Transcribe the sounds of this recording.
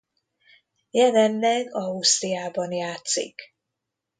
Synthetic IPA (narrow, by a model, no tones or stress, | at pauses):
jɛlɛnːɛɡɒust̪ijaːbɒnjaːt̪sḭk